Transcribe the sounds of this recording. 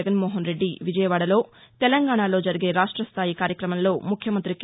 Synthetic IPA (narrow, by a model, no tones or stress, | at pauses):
ɡɐnmoːɦɐnɾe̞ɖːiʋid͡ʒɐjɐʋaːɽɐlo̞ːt̪ɛlɐŋɡaːɳalo̞ːd͡ʒɐɾiɡe̞ːɾaːʂʈɾɐst̪ʰaːjikaːɾjɐkɾɐmɐmlo̞ːmukʰjɐmɐnt̪ɾik